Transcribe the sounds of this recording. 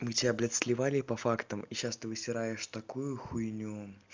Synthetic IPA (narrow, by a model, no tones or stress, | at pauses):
mɨtʲablʲɛt̪sʲlʲɪvalʲɪpɐfakt̪əmiɕast̪ɨvɨsʲɪɾajɪʂt̪ɐkujʊxujnʲu